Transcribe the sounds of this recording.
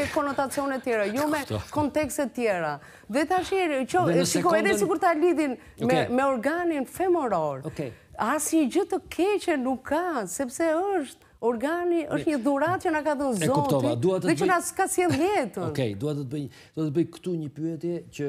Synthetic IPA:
ɛkɔnɔt̪at͡siɔnɛt̪ːjɛɾajɔmɛkɔnt̪ɛkst̪ɛt̪ːjɛɾa | ðɛt̪aʃiɛɾt͡ʃɔsikuɛðɛsiɡuɾt̪aliðin | mɛmɛɔɾɡaninfɛmɔɾɔɾɔkɛ | asɲəd͡ʑət̪əkʰɛt͡ɕɛnukʰːasɛpsɛəʃt̪ | ɔɾɡaniʔəʃt̪ɲəðuɾat̪̚t͡ʃənakaðənɛzɔkut̪ɔd̪aðɛt͡ʃənaskasjɛljɛt̪ənkɛjd̪uat̪ət̪əbəj | d̪uat̪əbəjkt̪uɲəpyɛt̪jɛt͡ɕə

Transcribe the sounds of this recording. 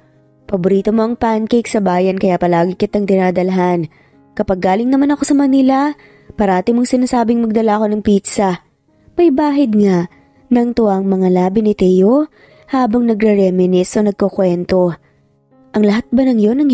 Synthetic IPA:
pɐbʊɾiːt̪o̞mo̞ʔɐŋpankejksɐbaːjɐnkɐjapɐlaːɡɪkɪt̪ɐŋd̪ɪnaːd̪ɐlɐɦan | kɐpɐɡːaːlɪŋnɐmanɐko̞sɐmɐnilɐ | paɾɐʔaːt̪ɪmoŋsɪnaːsaːbɪŋmɐɡ̚d̪ɐlaʔɐko̞nɐŋpit̪sɐ | mɐjbaːɦɪd̪̚ŋaʔ | nɐŋt̪ʊʔaŋmɐŋalaːbɪnɪt̪ɛjo | haːbɐŋnɐɡɾɛɾɛmɪnɪsʔo̞nɐɡ̚kokwɛnt̪o̞ | ʔɐŋlɐɦat̪̚bɐnɐŋjo̞nɐŋ

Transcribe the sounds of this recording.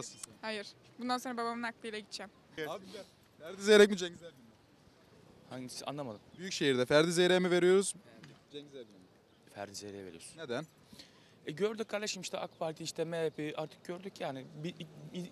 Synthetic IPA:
shajɯɾ̥ | bund̪ansonɾababamɯnak̚bijlʲɛɟit̪ʰd͡ʒɛm | abi | fæɾd̪izejɾɛc̚mid͡ʒɛɲɟzæɾb̪imi | haɲɟisa̰nˠamad̪ˠɯmbyjycʃejiɾd̪ɛfæɾd̪izejɾejmive̞ɾijo̞ɾuz̥d͡ʒɛɲɟzæbi | fæ̰ɾd̪izejɾejɛve̞ɾḭjoɾsned̪æn | ɛɟøɾd̪yc̚ʲkʰːaɾld̪ˠaʃmɯʃt̪ʰɛ̰ʔa̰kpʰaɾt̪ʰiiːʃt̪ʰɛmepiʔaɾt̪ʰɯ̥k̚ɟ̥øɾd̪ycʰːaːnɪbiʔi

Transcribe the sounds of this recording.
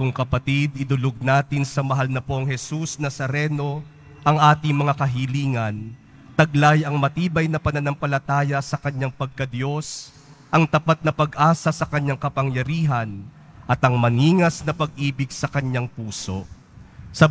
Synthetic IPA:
kʊŋkɐpɐt̪id̪ɪd̪ʊloɡ̚naːt̪ɪnsɐmɐɦalnɐpoŋhɛsusnɐsɐɾɛno̞ | ʔɐŋʔaːt̪ɪŋmɐŋakɐɦiliːŋɐn | t̪ɐɡlajɐŋmɐt̪iːbɐjnɐpɐnɐnɐmpɐlɐt̪aːjɐsɐkɐɲːaŋpɐɡ̚kɐd̪jo̞s | ʔɐŋt̪ɐpat̪̚nɐpɐɡʔaːsɐsɐkɐɲːaŋkɐpɐŋjɐɾiːɦɐn | ʔɐt̪ɐŋmɐniːŋɐsnɐpɐɡ̚ʔiːbɪɡsɐkɐɲaŋpuːso̞̰ | sɐ

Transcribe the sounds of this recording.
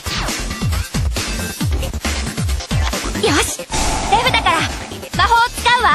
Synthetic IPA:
joɕi̥sebɯ̟d̪akaɾa | maɦoːt͡sɨ̥kãɯ̃βa

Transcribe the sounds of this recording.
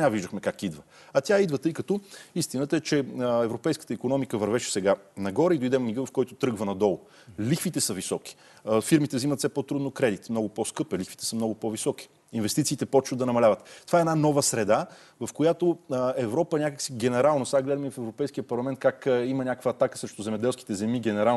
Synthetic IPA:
naviʒd̪əxmɛkakid̪və | ɐt̪ʲjaid̪vət̪ɤjkɐt̪ɔist̪inət̪əɛt͡ʃɛɛvɾopɛjskə̥t̪əikonɔmikəvɐɾvɛʃɛ̥sɛɡanɐɡɔɾɛid̪ojd̪ɛmmiɡɤvɐfkɔjt̪ʊt̪ɾɤɡvənɐd̪ɔlˠʊ | lixfit̪ɛsəvisɔki̥ | fiɾmit̪ɛvzimət̪sɛpot̪ɾud̪nokɾɛd̪it̪mnɔɡʊpɔskɤpɛlixvit̪ɛ̥səmnɔɡʊpɔvisɔk̟i̥ | invɛst̪it̪siːt̪ɛpɔt͡ʃnod̪d̪ɐnɐmɐlʲavət̪t̪ːovaɛnanɔvəsɾɛd̪a | vɐfkojat̪oɛvɾɔpəɛnʲakəksiɡɛnɛɾalˠnosaɡlɛd̪əmifɛvɾopɛjsk̟ijəpɐɾlˠɐmɛnt̪̚kakimənʲakəkvəːt̪akə̥sɾɛʃt̪ʊzɛmɛd̪ɛlˠski̥t̪ɛzɛmiɡɛnɛɾalˠ

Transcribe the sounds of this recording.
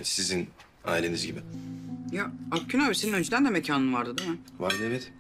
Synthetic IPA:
nsizin | a̰ːilʲe̞nizɟibɪjaabcʰynaːbiseninø̞nd͡ʒed̪ænd̪ɛmecʰaːnɯnmvaɾd̪ɯd̪imɪvaɾd̪ɯevɛt̪

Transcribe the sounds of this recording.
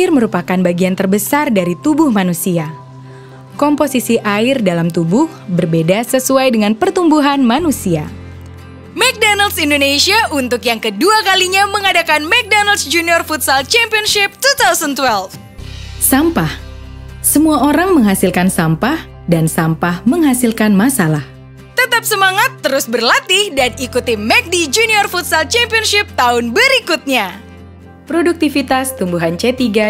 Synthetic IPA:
ɪrməɾupakanbaɡiant̪ərbəsardaɾit̪ubʊhmanusia | kɔmposisiʔaɪrdalamt̪ubʊhbərbedasəsuajdəŋanpərt̪umbuɦanmanusia | mɛk̚donəlsindonesiaʔunt̪ʊkjaŋkəduakaliɲaməŋadakanmɛk̚donaltsd͡ʒuniɔrfut̪̚salt͡ʃɛmpiɔnʃɪp̚t̪ut̪ausənt̪wɛlf | sampah | səmuaʔoɾaŋməŋɦasilkansampah | dansampahməŋɦasilkanmasalah | t̪ət̪ap̚səmaŋat̪ːəɾʊsbərlat̪ɪhdanikut̪imɛk̚did͡ʒuniɔrfut̪̚salt͡ʃɛmpiɔnʃɪp̚t̪aʊnbəɾikut̪̚ɲa | pɾoduk̚t̪ifit̪ast̪umbuɦant͡ʃɛt̪iɡa

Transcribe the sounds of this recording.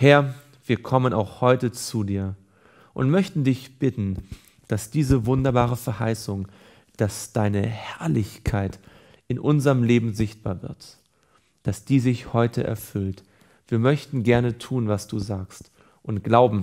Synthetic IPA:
hɛɐ | v̥iːɐkʰɔməna̰ʊxhɔʏtət͡suːdiːɐ | ʔʊntmœçtn̩dɪçb̥ɪtn̩ | d̥asd̥iːzəvʊndɐbaːʁ̞əfɛɐha̰ɪsʊŋ | d̥asd̥aɪnəhɛɐlɪçkʰaɪt | ʔɪnʔʊnzɐʁəmleːbm̩zɪçt̚b̥a̰ːɐvɪ̰ɐt | d̥asd̥iːzɪçhɔʏtʰəʔɛ̰ɐfʏlt | v̥iːɐmœçtn̩ɡɛɐnətʰuːnvasd̥uːzaːkst | ʔʊntɡ̥laʊbm̩

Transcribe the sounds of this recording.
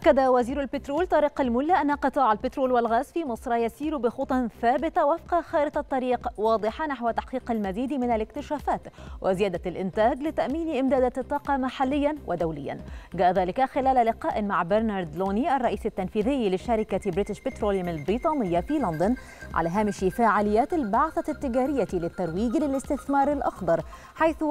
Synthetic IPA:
ʔakːad̪awaziːɾalbɪt̪ɾoːlt̪ˤɑɾiːqalmʊlːaʔanːaqɨt̪ˤɑːʕalbɪt̪ɾoːlwalɣaːzfiːmɨsˤɾˤɑjasiːɾbɪxʊt̪ˤɑnθaːbɪt̪awafqɑxɑːɾɪt̪ɑt̪ˤːɑɾiːqwɑːd̪ˤɨħɑnaħwat̪aħqiːqalmaziːd̪mɪnalɪkt̪ɪʃaːfaːt̪wʔɪzɪjaːd̪alʔɪnt̪aːɡlɪt̪aʔmiːniʔɪmd̪aːd̪at̪ˤːɑːqɑmaħalːɪjːanwʔad̪awlɪ̰jːa̰nɡaːʔaðaːlɪkaxɪlaːlalɪqɑːʔɪmaʕbɪɾnɑɾˤd̪loːniʔɑrˤːɑʔiːsat̪ːanfiːðɪjːlɪʃaɾɪkabɾɪt̪ɪʃpɪt̪ɾoːljamalbɾiːt̪ˤɑːnɪjːafiːland̪ʊn | ʕa̰laːɦaːmɪʃifaːʕaːlɪjːaːt̪albaʕθat̪ːɪɡaːɾɪjːat̪lɪt̪ːaɾˤwiːɡlɪlɪst̪ɪθmɑːɾˤɪlʔɑ̰xd̪ˤɑɾˤ | ħajθ

